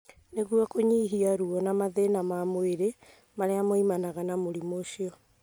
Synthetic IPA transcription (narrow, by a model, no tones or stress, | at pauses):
neɣuakoɲiːɦiaɾuɔnamaðenamamoeɾe | maɾeamoimanaɣanamoɾimoʃiɔ